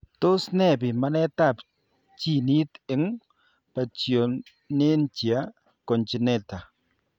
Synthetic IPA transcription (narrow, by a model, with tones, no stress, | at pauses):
to˦snɛ˦˨bɪ˨ma˦nɛ˦ta˦˨p | t͡ʃi˦˨ni˦t̪ɪ˨˦ŋ | pa˨t͡ʃjo˨ | ne˦nt͡ʃja˦ | kɔ˨nt͡ʃɪ˨nɛ˦ta˨